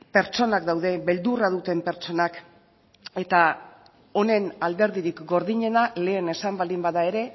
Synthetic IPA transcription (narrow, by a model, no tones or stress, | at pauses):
pe̞ɾt͡ʃo̞nakd̪awðe̞βe̞ld̪urað̞ut̪e̞mpe̞ɾt͡ʃo̞nak | e̞t̪a | o̞ne̞nald̪e̞ɾðiɾikɡo̞ɾðiɲe̞nale̞ːne̞sambald̪imbaðae̞ɾe̞